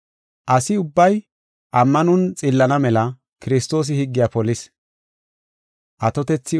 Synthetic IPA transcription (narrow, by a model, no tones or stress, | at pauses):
ʔɐsɪʊbːɐj | ʔɐmːɐnʊnt͡sʼɪlːɐnɐmɛlɐ | kɪɾɪst̪o̞ːs̬ɪhɪɡːɪjaːpɔlɪs | ʔɐt̪ɔt̪ɛt͡sːɪ